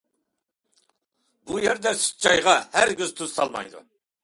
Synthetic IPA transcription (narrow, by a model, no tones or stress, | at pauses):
bujɛɾd̪ɛsy̥t͡ʃʰɑjʁɑhæɾɡʲyzt̪ʰøz̥sɑ̰lˠmɑ̰jd̪ṵ